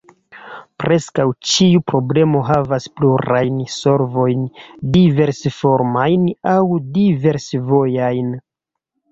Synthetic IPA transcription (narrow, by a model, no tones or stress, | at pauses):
pɾʔe̞skawt͡ʃiupɾo̞ble̞mo̞ɦavaspluɾajnso̞ɾvo̞jndive̞ɾsfoɾmajnawdive̞ɾsvo̞jajn